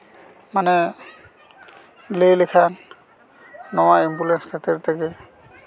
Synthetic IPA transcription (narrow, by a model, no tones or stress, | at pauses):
manɛ | lejlekʰan | ɔwaimbulɛnskʰatɛɾtaɡɛ